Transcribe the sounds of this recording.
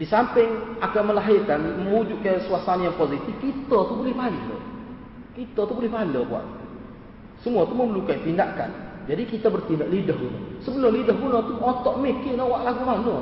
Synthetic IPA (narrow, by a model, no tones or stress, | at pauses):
disampɪŋakaməlaɦɪrkanməud͡ʒʊʔkasuasanajaŋpozit̪ɪfkit̪ɔt̪ubolɛhmallo̰ | kit̪ɔt̪ubolɛhbalobua̰t̪̚ | səmuat̪uməməlukaipindaka̰nd͡ʒadikit̪abərt̪indaʔlidəɦunɔ̰səbəlʊmlidaɦbunɔt̪uɔt̪ɔʔmikɪnawaʔlaɡumanɔ